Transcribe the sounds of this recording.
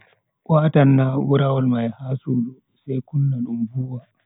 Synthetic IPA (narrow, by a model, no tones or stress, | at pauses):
kʷʼaːtɐnːawʊɾawalmajhaːsulu | sekʊnːaɗʊmbuwaː